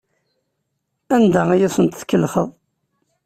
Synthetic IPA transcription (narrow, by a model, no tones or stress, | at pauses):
ænd̪æijisənt̪θkːəlːχəðˤ